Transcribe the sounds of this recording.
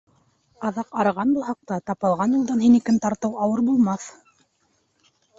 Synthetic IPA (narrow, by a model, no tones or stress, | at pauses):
ɑðɑqɑɾʁɑnbulˠɦɑq̚t̪ɑt̪ɑpɤ̆lˠʁɑnjulˠd̪ɑnɦinikɘnt̪ɑɾt̪ɤwɑwɤɾbulˠmɑθ